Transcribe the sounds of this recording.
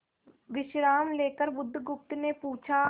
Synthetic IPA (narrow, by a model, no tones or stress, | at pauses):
ʋɪʃɾaːmleːkəɾbʊd̪ʱːɡʊp̚t̪nepuːt͡ʃʰa